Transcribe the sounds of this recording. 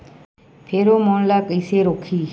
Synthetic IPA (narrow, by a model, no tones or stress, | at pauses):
pʰeːɾoːmoɳlaːkəɪseːɾoːkʰiː